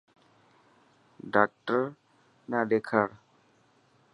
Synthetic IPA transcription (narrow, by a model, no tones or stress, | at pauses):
ɖak̚ʈəɾ | nad̪ekʰaɾ